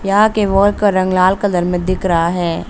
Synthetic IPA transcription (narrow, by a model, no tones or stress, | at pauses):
jɐɦãkeʋoːlkɐɾɐ̃ŋɡlaːlkɐd̪əɾmẽd̪ɪkɾaɦaɦɛː